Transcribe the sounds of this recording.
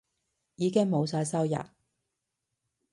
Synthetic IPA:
jiː˨˧kɪ˥ŋmo˨˧wsaː˧jsɐ˥wjɐ̰˨t̚

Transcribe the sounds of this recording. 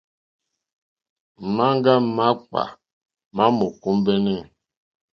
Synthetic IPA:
ma˦ŋ˦ɡa˦ma˦k͡pa̰˨ | ma˦mɔ˨ku˦mbɛ˦nɛ˦˨

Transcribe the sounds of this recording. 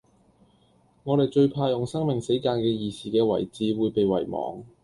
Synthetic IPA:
ŋɔː˨˧ɾe˨jt͡ʃɵ˧ɥpʰaː˧jʊ˨˩ŋsɐ˥ŋmɪ˨˩ŋse˨˥jkaː˧nkɛː˧jiː˨˧siː˨kɛː˧wɐ̰˨˩jt͡siː˨˧wuː˨˧jpe˨jwɐ̰˨˩jmɔ̰ː˨˧ŋ

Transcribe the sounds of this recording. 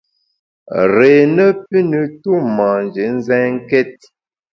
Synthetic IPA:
ɾe˨nə˦p̚i˦nə˨tu˦mã˨n˨d͡ʒe˨˦n̩˦zɛ̃˦ŋ˦kɛ˦t̚

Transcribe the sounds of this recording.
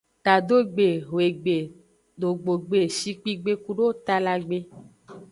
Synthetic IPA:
t̪a˨d̪o˦˨ɡ͡be˨ɦo˨e˨ɡ͡be˨ | do˨ɡ͡bo˨ɡ͡be˨ʃi˦k͡pi˦ɡ͡be˦ku˦ɖo˦t̪a˦la˨ɡ͡be˦

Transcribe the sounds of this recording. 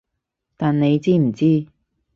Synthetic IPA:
t̪aː˨nne˨˧jt͡siː˥m̩˨˩t͡siː˥

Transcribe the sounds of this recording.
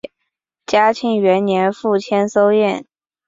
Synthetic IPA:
t͡ɕja˥t͡ɕʰi˧˥ŋɥɛ˧˥nnjɛ˧˥nfu˥˩t͡ɕʰjɛ˥nso˥ʊjɛ˥˩n

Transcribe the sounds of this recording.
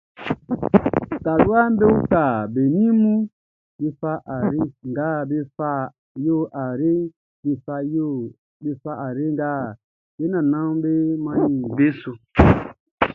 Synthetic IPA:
ta˨lu˦a˦m˦be˦u˦ka˨be˨nĩ˦mũ˦ | be˦fa˧˦ʔa˨ɾe˦ŋ˨ɡa˦˨be˦fa˦ | jo˦ʔa˨ɾe˦ | be˨fa˧jo˦ | be˨fa˦ʔa˨ɾe˦ŋɡa˦˨ | be˦nã˨nã˦be˦mã˦jĩ˨be˦so˨

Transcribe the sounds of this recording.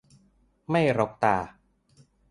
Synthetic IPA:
ma˥˩jɾo˧˦˥k̚t̪aː˧˩

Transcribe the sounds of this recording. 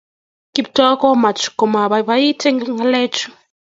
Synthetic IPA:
ki˨btɔ˦kɔ˦ma˨t͡ʃu̥˨kɔ˨ma˨βaβa˦i˦tʰɛ˦ŋɡa˦lɛ˦t͡ʃu̥˦

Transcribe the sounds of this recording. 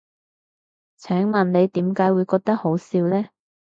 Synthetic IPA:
t͡sʰœː˨˥ŋmɐ˨nle˨˧jt̪iː˨˥mkaː˨˥jwuː˨˧jkɔː˧k̚t̪ɐ˥k̚ho˨˥wsiː˨˧wlɛː˥

